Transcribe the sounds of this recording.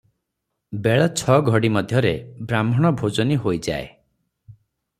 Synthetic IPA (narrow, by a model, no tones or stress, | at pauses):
beɭɔt͡ʃʰɔɡʱɔɽimɔd̪ʱjɔɾebɾamʱɔɽ̃ɔbʱod͡ʒɔniɦojd͡ʒae